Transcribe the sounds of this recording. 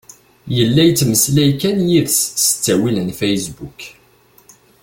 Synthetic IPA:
jəlːæjt͡sːməslæjkænjiðssə̥t͡sːæwilənfejsbuk

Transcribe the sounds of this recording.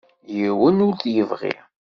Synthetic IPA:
jiwənʊɾθjəvʁḭ

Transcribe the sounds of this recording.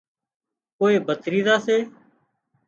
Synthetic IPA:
koːeːbʱət̪ɾiːzaːseː

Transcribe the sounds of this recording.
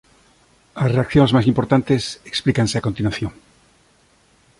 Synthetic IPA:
asreakθjoŋzmas̬impoɾt̪ant̪eseksplikanseakont̪inwaθjõŋ

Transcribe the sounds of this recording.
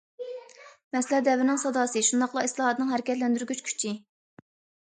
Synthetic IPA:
mɛslɛd̪ɛvɾɪnɪŋsɑd̪ɑːsɨʃund̪ɑχlˠɑislˠɑɦɑt̪nɨŋɦɛɾɪkʲɛt̪lɛnd̪yɾɡʲyt͡ʃkʲʰy̥t͡ʃʰi

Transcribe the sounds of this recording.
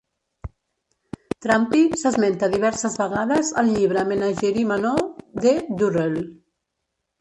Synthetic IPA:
t̪ɾampisəzment̪əðiβɛɾsəzβəɣaðəzəlʎiβ̞ɾəmenaʒɛɾimanoðed̪urel

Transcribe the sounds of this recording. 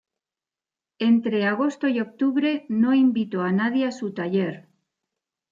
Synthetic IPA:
e̞nt̪ɾe̞aɣ̞o̞st̪oio̞k̚t̪uβɾe̞no̞imbit̪oanað̞jeasut̪aʎe̞ɾ

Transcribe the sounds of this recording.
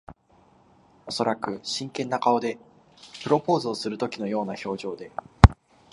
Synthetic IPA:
o̞so̞ɾakɯ̟ɕĩŋkẽ̞nːakao̞d̪e̞ | pɯ̟ɾo̞po̞ːzoːsɨɾɯ̟t̪o̞kʲino̞jo̞ːnaço̞ːʑo̞ːd̪e̞

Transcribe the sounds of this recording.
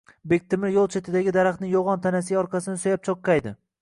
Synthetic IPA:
bek̚ʲt̪ʰɪmɪɾjolˠt͡ʃʰet̪ɪd̪aɡʲɪd̪aɾaχt̪nɪŋjoʁɒnt̪ʰanasɪɒɾqʰɑsɪnɪsojap̚t͡ʃʰoqʰːɑjd̪ɪ

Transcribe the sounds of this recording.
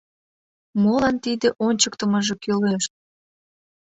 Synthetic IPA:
molɑnt̪id̪eʔonʲt͡ɕəkt̪əməʒekyleʃ̚

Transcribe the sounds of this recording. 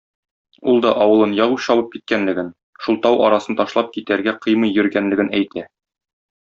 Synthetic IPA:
ulˠd̪ɒʔɒwɤ̆lˠɤnjɒʁuɕɒbɤp̚kit̪̚kænlɘ̆ɡɘn | ʃulˠt̪ɑwʔɒ̰ɾɑsɤnt̪ɒʃlˠɑp̚kit̪æɾɡæqɤjmɤjːɵ̆ɾɡænlɘ̆ɡɘnæjt̪ʰæ

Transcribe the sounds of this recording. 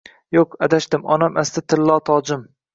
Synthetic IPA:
joqad̪aʃd̪ɪmɒ̰namʔast̪ɪt̪ʰɪllːɒt̪ʰɒːd͡ʒɪm

